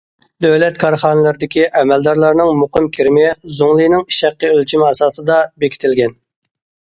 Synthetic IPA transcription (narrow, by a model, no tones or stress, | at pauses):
d̪øwlɛt̪kʰɑɾχɑːnɨlˠɨɾd̪ɪkʲiʔɛmɛld̪ɑɾlˠɑɾnɨŋmoqɨmkʲʰiɾmɪzoŋlˠɨjnɪŋi̥ʃæqːəølt͡ʃʰimɑsɑːt̪ɨd̪ɑbekʲʰi̥t̪ʰɪlɡʲɛn